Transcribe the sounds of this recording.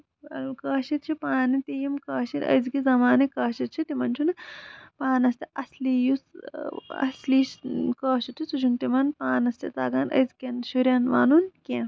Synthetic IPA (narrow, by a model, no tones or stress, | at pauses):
ɐlkɐːʃit̪̚t͡ʃʰipaːnit̪ijimkɐːʃiɾɐ̰jzkizɐmaːnikɐːʃit̪̚t͡ʃʰit̪imɐnt͡ʃʰunpaːnɐst̪iʔɐslijus | ɐ̰sliːskɐːʃit̪ʰisut͡ʃʰunt̪imɐnpaːnɐst̪it͡s̪aːɡaːnʔɐ̰zkenʃuɾʲɐnʋa̰ːnunkʲẽ